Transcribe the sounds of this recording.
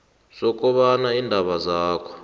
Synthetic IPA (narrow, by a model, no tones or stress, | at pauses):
sɔkʼɔβanaindʱaβazaːkʰɔ̥